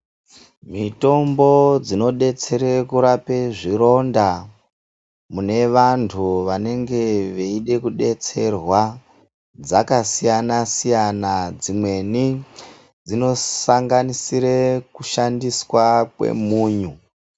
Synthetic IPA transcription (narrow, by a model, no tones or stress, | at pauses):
mito̞mbo̞d͡zino̞ɗe̞t͡se̞ɾekuɾapeʐiɾo̞nda | mune̞ʋantʰuʋane̞ŋɡe̞ʋeiɗe̞kuɗe̞t͡se̞rwa | d͡zakasijanasijanad͡zimwe̞ni | d͡zino̞saŋɡanisiɾekuʃandiswakwe̞̰muːɲu